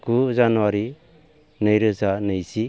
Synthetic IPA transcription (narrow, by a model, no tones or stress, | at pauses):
ɡuzanuwaɾi | nɯjɾɯzanɯjsi